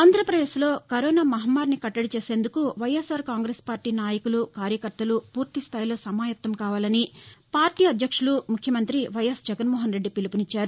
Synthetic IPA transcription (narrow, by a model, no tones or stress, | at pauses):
aːnd̪ʱɾɐpɾɐd̪eːʃlo̞ːkɐɾoːnaːmɐɦɐmːaːɾnikɐʈːɐɽit͡ʃe̞ːse̞ːnd̪ukuʋɐjesaːɾkaːŋɡɾeːspaːɾʈiːnaːjɐkulukaːɾjɐkɐɾt̪ɐlupuːɾt̪ist̪ʰaːjloːsɐmaːjɐt̪ːɐmkaːʋaːlɐnipaːɾʈiːɐd̪ʱjɐkʂulumukʰjɐmɐnt̪ɾiʋɐjɐsd͡ʒɛɡɐnmɔːɦɐnɾe̞ɖːipilipunit͡ʃːaːɾu